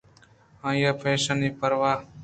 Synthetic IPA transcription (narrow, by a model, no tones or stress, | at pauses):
ãːjaːpʰeːʃaniːpəɾʋaː